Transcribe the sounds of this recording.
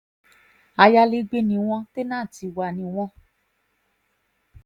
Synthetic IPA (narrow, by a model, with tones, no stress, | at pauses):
a˧ja˧le˧˦ɡ͡be˧nĩ˧w̃ɔ̃˧te˦nãː˦˨ti˧wa˧˨nĩ˧w̃ɔ̃˧˦